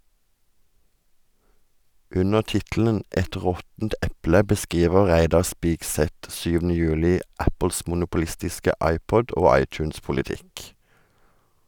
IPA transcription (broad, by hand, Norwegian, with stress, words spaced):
ˈʔʉnəʁ ˈtɪtl̩ən ˈʔɛt ˈʁɔtn̩t ˈɛplə bəˈskʁiːʋəʁ ˈʁæɪdɑʁ ˈspɪkˌsɛt ˈsʉːʋn̩ə ˈjʉːlɪ ˈʔæpəls mʊnʊpʊˈlɪstɪskə ˈɑɪpɔd ˈoː ˈɑɪˌt͡ʃʉːnspʊlɪˌtɪk